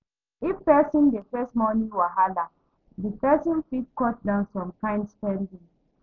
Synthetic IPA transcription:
ifpɛsĩndefɛstmɔnĩŋwaɦala | dipɛsɔ̃nfit̚kɔt̚dãʊ̃nsɔ̃mkãɪ̃ndspɛ̃ndĩŋ

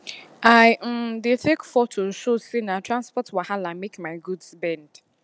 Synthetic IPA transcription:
aj̩detʰekfɔtʰososinatʰɹãnspɔtwahãlamekmaɪɡudsbɛ̃nd̥

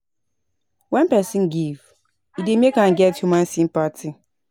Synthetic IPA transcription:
wãnpɛsĩnɡiv | idemiekãn̩ɡɛthumãn̩sim̩patʰi

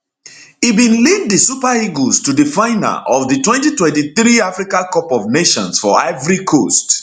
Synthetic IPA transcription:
ibĩnlid̚disupaiɡostudɨfãɪna̰ʔɔvðɨtwɛ̃ntitwɛ̃ntiθɾiafɾikãkɔpɔvneʃɔ̰̃nsfɔɛvɾikʰost

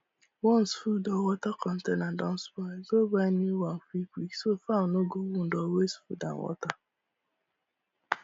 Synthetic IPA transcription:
wɔn̩sfudɔwɔtakɔn̩tenan̩dɔn̩spɔzobaniwan̩fikʷiksofãnoɡowun̩dɔwesfṵda̰ŋ̩̰wɔ̰ta

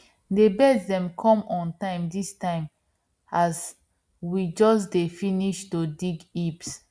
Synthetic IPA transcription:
debɛtdɛ̃mkʰɔ̃mɔ̃ntãɪ̃mdistãɪ̃m | as | wid͡ʒɔsdefiniʃtodiɡips

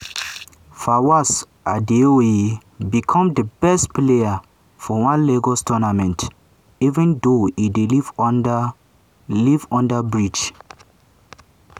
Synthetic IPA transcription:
fawas | ʔadeoe | bikʰɔ̃mdəbɛstpleja | fɔwãnleɡɔstʰɔnamɛ̃nt | ivɛ̃ndoideliv | livɔ̃ndabɹid͡ʒ

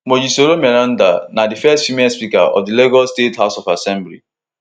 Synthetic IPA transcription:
mod͡ʒisoɾomɛɾãnda̰nadifɛstfimespika̰ɔ̰fdileɡɔstetɦaʊsɔfasɛ̃mblḭ

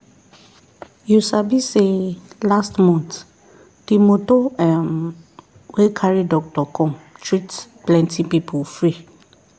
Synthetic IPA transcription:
jusabiselastmɔ̃nt | d̥imotoɛ̃m | wekʰaɹidɔk̚tɔkʰɔ̃tʰɹitplɛ̃ntʰĩpipʰofɹi

